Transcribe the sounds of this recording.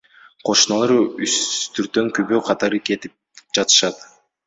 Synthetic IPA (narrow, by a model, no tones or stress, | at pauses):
qʰo̞ʃɯnɑlˠɑɾyst̪ʰyɾt̪ːøŋkyβøːqʰɑt̪ɑɾɯke̞t̪ip̚d͡ʒɑt̪ɯ̥ʃɑt̪